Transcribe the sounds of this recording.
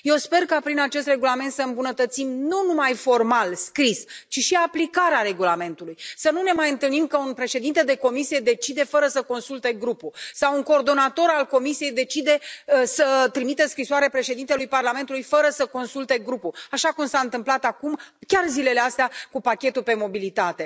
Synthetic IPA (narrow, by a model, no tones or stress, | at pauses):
je̞wspe̞rkapɾinat͡ʃe̞st̪re̞ɡulame̞nt̪səɨmbunət̪ət̪simnunumajfo̞rmalskɾist͡ʃiʃiaplikaɾeaɾe̞ɡulame̞nt̪ulujsənune̞majɨnt̪ɨlnimkəunpɾe̞ʃe̞d̪int̪e̞d̪e̞ko̞misije̞d̪e̞t͡ʃid̪e̞fəɾəsəko̞nsult̪e̞ɡɾupusawunko̞ːrd̪o̞nat̪o̞ɾalko̞misije̞jd̪e̞t͡ʃid̪e̞sət̪ɾimit̪əskɾisoaɾepɾe̞ʃed̪int̪elujparlame̞nt̪ulujfəɾəsəko̞nsult̪e̞ɡɾupuaʃakumsaɨnt̪ɨmplat̪akumkʲarzile̞least̪eakupakʲe̞t̪upe̞mo̞bilit̪at̪e̞